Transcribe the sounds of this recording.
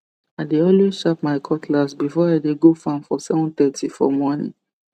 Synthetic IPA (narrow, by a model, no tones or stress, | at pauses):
aɪdeɔlweʃap̚maɪkʰɔtʰlasbifɔaɪdeɡofãmfɔsɛvɔ̃nt̪ɛtifɔ̰mɔnḭ̃